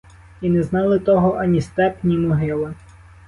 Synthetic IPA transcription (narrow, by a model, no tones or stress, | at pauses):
inɛznɑlˠɪt̪ɔɦɔʔɐnʲist̪ɛpnʲimɔɦɪlˠɪ